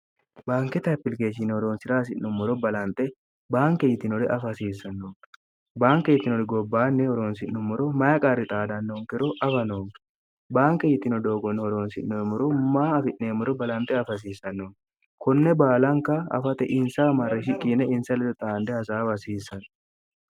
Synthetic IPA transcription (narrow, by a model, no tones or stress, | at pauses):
baːŋkɛt̪ɐpːɪlkeːʃɪnɛhɔɾoːnsɪɾaːs̬ɪʔnːʊmːɔɾɔbɐlɐnt̪ʼɛ | baːŋkɛjɪt̪ːɪnɔd̪ɛʔɐfɐsiːsːɐnːoː | baːŋkɛjɪt̪ːɪnɔd̪ɛɡɔbːaːnːɛhɔɾoːnsɪnːʊmːɔɾɔmɐjɐkʼɐrːɪt̪ʼaːd̪ɐnːoːŋkɛɾɔʔɐfɐnoŋ | baːŋkɛjɪt̪ːɪnɔd̪oːɡɔnːɛhɔɾoːnsɪʔːomːɔɾɔmaːɐfɪʔːeːmːʊɾɔbɐlɐnt̪ʼɛɐfɐs̬iːsɐnːoːŋ | kɔnːɛbaːlɐŋkɐɐ̰fɐt̪ɛʔɪnsɐmɐɾːɛʃɪkʼːinɛɪnsɐlɛd̪ɔt̪ʼaːnd̪ɛhɐsaːbɐsiːsɐn